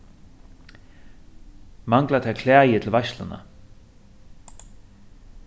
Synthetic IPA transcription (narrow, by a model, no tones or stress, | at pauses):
maŋklat̪ʰakʰlɛːjɪt̪ʰɪlvajʃt̪lana̰